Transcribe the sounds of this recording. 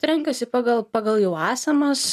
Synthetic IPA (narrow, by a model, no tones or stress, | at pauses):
t̪ɾʲɛŋkɐsʲɪpɑːɡɐlˠpɑːɡɐlˠjɛʊɑːsʲɐmɐs